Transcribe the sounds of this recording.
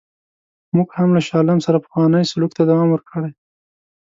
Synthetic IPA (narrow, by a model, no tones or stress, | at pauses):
muɡhamlaʃɑlamsaɾapḁxwɑnəjsʊlukt̪ad̪awɑmwəɾkʰəɽaj